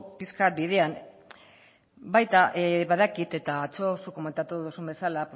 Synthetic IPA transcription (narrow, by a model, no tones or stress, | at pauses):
piskat̪̚biðe̞an | bajt̪aʔβaðakit̪e̞t̪aːt͡sosuko̞me̞nt̪at̪uðusumbe̞salap